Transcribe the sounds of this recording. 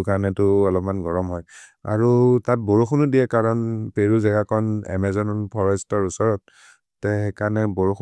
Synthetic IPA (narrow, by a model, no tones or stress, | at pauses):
kanɛtʊɔlɔpmanɡɔɹɔmɦɔja̰ɹutat̚boɹuxʰunudijɛkaɹɔnpeɹuzɛɡakʰɔnɛ̰mɛzɔnɔnpʰɔɹɔstɔɹusɔɹɔt̚ː | ɛekanɛboɹux